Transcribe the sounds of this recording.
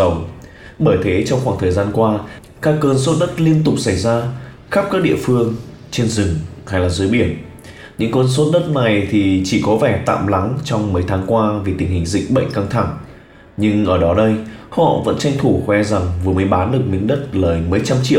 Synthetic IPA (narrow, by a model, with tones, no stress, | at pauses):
ə˨˩wŋ͡m | ɓəː˧˩jt̪ʰe˨˦t͡ɕɔ˧wŋ͡mxaː˧˩ŋt̪ʰəː˨˩jzaː˧nkwaː˧ | kaː˦˥kːəː˧nso˦˥t̚ɗə˦˥t̚li˧ənt̪ʊ˨˩k͡p̚sa˧˩jzaː˧ | xa˦˥p̚kaː˦˥k̚ɗḭ˧˨əfɨ˧əŋ | t͡ɕe˧nzɨ˨˩ŋha˧jlaː˨˩zɨː˨˦jɓi˧˩ən | ɲɨ̰˧˥ŋkəː˧ns̬o˦˥t̚ɗə˦˥t̚na˨˩jt̪ʰi˨˩t͡ɕi˧˩kɔ˨˦vɛ˧˩t̪a̰ː˧˨mla˨˦ŋt͡ɕɔ˧wŋ͡mməː˨˦jt̪ʰaː˨˦ŋkwaː˧vi˨˩t̪ï˧˩ŋ̟hï˨˩ŋ̟zḭ˧˨k̟̚ɓə̰˧˨jŋ̟ka˧ŋt̪ʰa˧˩ŋ | ɲɨ˧ŋʔəː˧˩ɗɔ˨˦ɗə˧jhɔ̰˧˨və̰˧˥nt͡ɕa˧jŋ̟t̪ʰu˧˩xwɛ˨˧za˨˩ŋvɨ˨˩əməː˨˦jɓaː˨˦nɗɨ˨˩ək̚mḭ̈˧˦ŋ̟ɗə˦˥t̚ləː˨˩jməː˨˦jt͡ɕa˧mt͡ɕḭ˧˥˨w